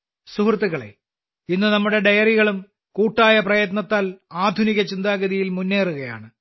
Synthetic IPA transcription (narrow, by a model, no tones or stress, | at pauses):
suhrt̪ːiɣɐɭḛ | inːɨnɐmːuɽe̞ɖɐjɐriɣɐɭum | kuːʈːaːjɐprɐjɐt̪nɐt̪ːaːlaːd̪ʱuniɣɐt͡ɕind̪aːɣɐðijilmunːe̞ːruɣɐja̰ːɳɨ